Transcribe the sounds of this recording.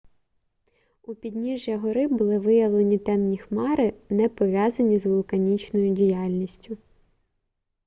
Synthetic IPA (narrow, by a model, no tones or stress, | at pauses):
upʲid̪ʲnʲiʒjɐɦɔɾɪbʊlˠɪʋɪjɐʋlˠenʲit̪ɛmnʲixmɑɾɪnɛpɔʋʲjɑzɐnʲizʋɔlˠkɐnʲit͡ʃnɔjʊdʲijɑlʲnʲisʲtʲʊ